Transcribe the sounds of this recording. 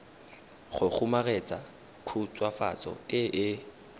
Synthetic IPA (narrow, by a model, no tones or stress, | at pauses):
χʊk͡xʰumaɣɛt͡sʼa | kʰut͡sʼwafa̰t͡sʼɔ̰ɪʔɪ